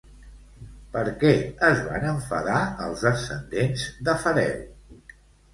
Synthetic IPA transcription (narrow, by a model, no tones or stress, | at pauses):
pəɾkɛəzβa̰nəɱfə̰ðaəlˠzəsənd̪enzd̪əfəɾɛ̰w